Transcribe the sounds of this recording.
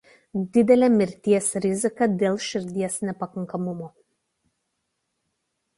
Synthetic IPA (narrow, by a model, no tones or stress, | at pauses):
d̪ʲɪd̪ʲɛlʲɛmʲɪɾʲt̪ʲiɛsɾʲɪzʲɪkɐd̪ʲeːlˠʃʲɪɾʲd̪ʲiɛsnʲɛpɐkɐŋkɐmʊmoː